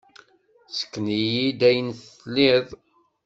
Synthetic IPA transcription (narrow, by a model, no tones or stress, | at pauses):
sə̥kːnijid̪æjənθlːiðˤ